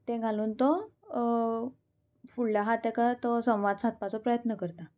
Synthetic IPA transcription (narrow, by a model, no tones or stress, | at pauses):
t̪ɛ̃ɡʱaluːnt̪ɔ | fuɭljaɦat̪ɛkat̪ɔsə̃w̃ʋad̪̚t͡sʰat̪̚pat͡sɔpɾəjət̪nəkəɾt̪a